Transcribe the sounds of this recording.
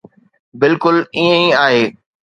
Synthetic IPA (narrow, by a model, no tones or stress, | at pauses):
bɪlkʊliə̃ĩaːɦeː